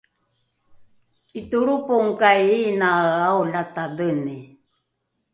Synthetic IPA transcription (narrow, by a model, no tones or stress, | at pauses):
it̪uɾupoŋkajinaaolat̪adəne